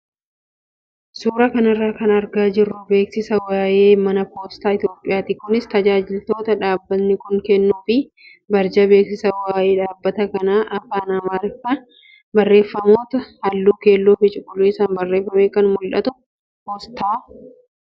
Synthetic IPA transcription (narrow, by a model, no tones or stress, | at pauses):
suːɾɐkɐnɐrːaːkɐnɐɾɡaːd͡ʒɪrːʊbe̞ːksɪsɐwaːjeːmɐnɐpo̞ːst̪aːɪt̪jo̞ːpʼɪjaːt̪iːkʊnɪst̪ɐd͡ʒaːd͡ʒɪlt̪o̞ːt̪ɐᶑaːbːɐt̪nɪkʊŋkɛnːuːfɪ | bɐɾd͡ʒɐbe̞ːksɪsɐwaːjeːᶑaːbːɐt̪ɐkɐnaːʔɐfaːnɐmaɾkːɐ | bɐrːe̞ːfːɐmo̞ːt̪ɐhɐlːuːke̞ːlːoːfɪt͡ʃʼʊkʼːʊliːɪsɐːmbɐrːe̞ːfːɐmeːkɐnmʊlᶑɐt̪ʊ | poːst̪aː